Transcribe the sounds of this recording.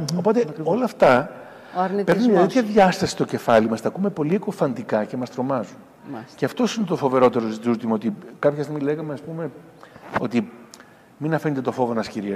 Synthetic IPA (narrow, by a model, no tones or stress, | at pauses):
opo̞t̪eo̞lɐːft̪ɐ | ɾnipe̞ɾnunoɾit̪çɐðʝɐst̪ɐsi̥st̪o̞ce̞fɐlimɐst̪ɐkume̞po̞liekofɐnd̪ikɐce̞mɐst̪ɾo̞mɐzun | ceɐft̪o̞sinet̪o̞fo̞ve̞ɾo̞t̪e̞ɾozit̪ut̪imɐot̪ikɐpçest̪iɣmile̞ɣɐmeɐspume̞ | o̞t̪i | minɐfenet̪e̞t̪o̞fo̞vo̞nɐsciɾi